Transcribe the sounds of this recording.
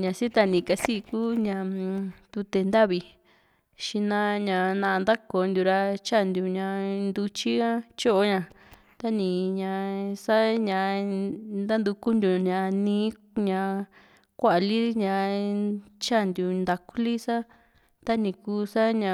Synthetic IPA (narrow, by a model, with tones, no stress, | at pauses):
ɲã˨˧si˦t̪a˧nĩ˨ka˧si˦˧ku˦ɲã˧t̪u˧t̪e˧nd̪a˦βi˧ | ʃi˧nã˦ɲã˧˨nã˧nd̪a˦ko˧˨nd̪u˧ɾa˧t͡ʃa˦˨˧nd̪u˧ɲã˧nd̪u˧t͡ʃi˦ã˦t͡ʃo˦ʔo˦ɲã˧˨ | t̪a˦nĩ˨ɲã˧sa˦ɲã˧ | nd̪a˦nd̪u˧ku˦nd̪u˧ɲã˧˨nĩː˧˦ | ɲã˧ | kʷa˦ʔli˦ɲã˧ | t͡ʃa˦˨nd̪u˧nd̪a˧ku˦li˦sa˦ | t̪a˦nĩ˧kuː˦sa˦ɲã˨˧